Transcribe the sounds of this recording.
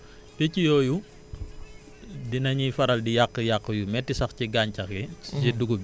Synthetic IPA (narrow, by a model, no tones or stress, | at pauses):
pɛcijɔːju | dinɐɲifɐɾɐldijaqːəjaqːəjumɛtːisɐxciɡaːɲcɐxɛd͡ʒɛduɡub